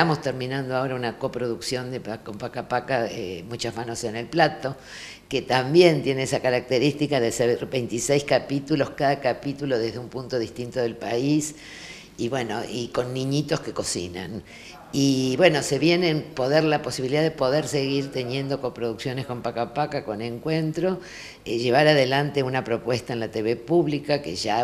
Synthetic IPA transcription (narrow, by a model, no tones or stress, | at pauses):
t̪amo̞st̪eɾmĩnãnd̪oao̞ɾaunako̞pɾo̞ðuksjo̞nd̪eko̞mpakapakaemut͡ʃazmano̞se̞ne̞lplat̪o̞ | ket̪ambje̞nt̪jeneesakaɾak̚t̪eɾist̪ikaðeseɾbejnt̪isejskapit̪ulo̞skaðakapit̪ulo̞ðeɦðeumpunt̪o̞ðist̪int̪o̞ðe̞lpais | iβweno̞̰ʔiko̞nːĩɲit̪o̞ske̞ko̞sḭna̰n | iβwe̞no̞se̞βje̞nenpo̞ðeɾlapo̞siβiliðaðepo̞ðeɾse̞ɣiɾt̪e̞nje̞nd̪o̞ko̞pɾo̞ðuksjo̞nesko̞mpakapakako̞neŋkwe̞nt̪ɾo̞ | ʒe̞β̞aɾaðe̞lant̪e̞unapɾo̞pwe̞st̪aenlat̪eβepuβlikakḛʒa